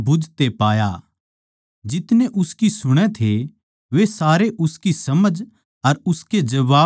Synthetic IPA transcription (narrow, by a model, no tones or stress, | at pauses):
bʱʊd͡ʒt̪epaːja | d͡ʒɪt̪neʔʊskisʊɽ̃ɛ̃t̪ʰe | ʋesaːɾeʔʊskisɐməd͡ʒ | ɐɾʊsked͡ʒɐʋaː